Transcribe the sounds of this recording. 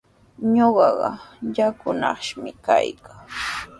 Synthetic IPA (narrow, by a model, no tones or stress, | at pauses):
ɲoɢɑɢɑjakʊnɑχʃmɪkajkʰaŋ